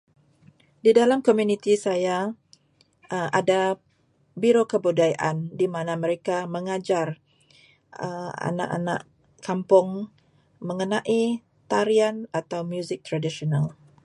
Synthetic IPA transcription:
didalamkomjunit̪isaja | əʔada | biɾokəbudajaʔandimanaməɾekaməŋad͡ʒar | əa̰nã̰ʔa̰na̰ʔ | kampʊŋ | məŋənaʔi | t̪aɾianat̪awmjuzɪk̚t̪ɾadisional

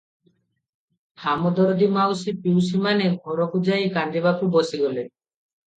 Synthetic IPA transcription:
hamɔd̪ɔɾɔd̪imawsipiwsimaneɡʱɔɾɔkud͡ʒajkand̪ibakubɔsiɡɔle

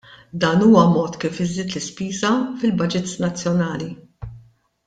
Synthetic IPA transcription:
d̪ɐːnuːwɐmɔːt̪kiːfɪzːiːt̪lɪspiːzɐfɪlbɐd͡ʒɪt̪snɐt͡sːjɔnɐːli

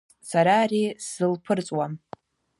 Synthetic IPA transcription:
saɾaːrisɨlpʰɨrt͡sʼwam

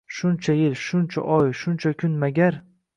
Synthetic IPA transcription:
ʃʊnt͡ʃʰajɪlʃʊnt͡ʃʰa̰ʔɒjʃʊnt͡ʃʰakʰʲʊnmaɡʲaɾ

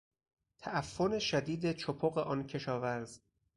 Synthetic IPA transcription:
t̪ʰæʔæfːoneʃæd̪iːd̪et͡ʃʰopʰoɣe̞ʔɒːncʰe̞ʃɒːvæɾz

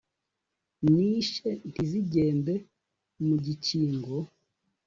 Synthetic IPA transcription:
niːʃentiziɟeːmbe | muɟit͡ʃiːŋɡo

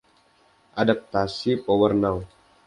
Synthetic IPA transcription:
ʔadap̚t̪asipɔwərnaw

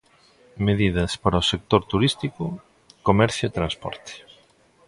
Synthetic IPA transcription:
meðið̞ɐspaɾɐosek̚t̪oɾt̪uɾist̪ikʊ | komɛɾθjoet̪ɾãnspɔ̰ɾt̪ɪ̥

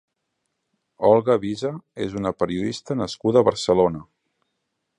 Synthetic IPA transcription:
ɔlˠɣəβizəezunəpəɾiuðist̪ənəskuðəːβəɾsəlonə

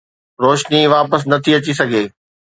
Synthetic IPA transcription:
ɾoːʃniʋaːpəs̬nɐt̪ʰiɐt͡ɕisɐɡʱeː

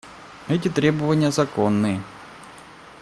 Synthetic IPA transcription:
ɛt̬ʲɪt̪ɾʲebəvɐnʲɪjəzɐkonːɨjə

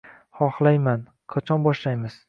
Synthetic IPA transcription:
χɒχlˠajman | qʰɑt͡ʃʰɒnbɒʃlajmɪz̥

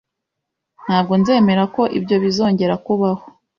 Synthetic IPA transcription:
n̥haːb̚ɡo̞nze̞ːme̞ɾako̞ʔḭbɟo̞βizo̞ːɲɟe̞ɾakuβaho

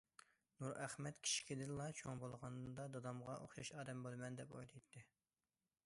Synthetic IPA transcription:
nuɾæχmɛt̪kʲʰi̥ʃi̥kʲʰid̪ɪnlˠɑt͡ʃʰoŋbolˠʁɑnd̪ɑd̪ɑd̪ɑmʁɑʔo̰χjɑʃɑːd̪ɛmbolˠmɛnd̪ɛpo̰jlˠɨjt̪ʰːɨ

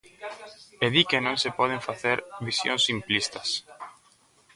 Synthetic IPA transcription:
eðikenõŋsepɔð̞eɱfaθeɾβisjo̰ŋsimplist̪ɐs

